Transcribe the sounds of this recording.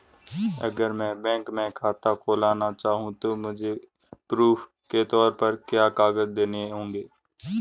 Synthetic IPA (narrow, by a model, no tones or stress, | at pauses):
ə̰ɡəɾmɛ̃ːbɛ̃ːŋkmɛ̃ːkʰaːt̪akʰoːlaːnat͡ʃaːɦũt̪oːmʊd͡ʒʱe | pɾuːpʰ | ket̪ɔːɾpəɾkjaːkaːɡəd͡ʒd̪eːneɦõːŋɡeː